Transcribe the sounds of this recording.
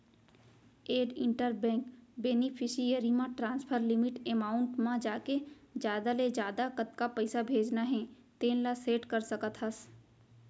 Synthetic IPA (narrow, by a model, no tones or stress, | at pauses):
eːɖɪ̃ɳʈəɾbɛ̃ːŋkbeːnipʰɪʃijəɾimãʈɾãːnspʰəɾlɪmɪʈemaːʊɳʈmãd͡ʒaːked͡ʒjaːd̪aled͡ʒjaːd̪akət̪kapɐɪsabʱeːd͡ʒnaɦɛ̃ | t̪eːnlaseːʈkəɾsəkət̪ɦəs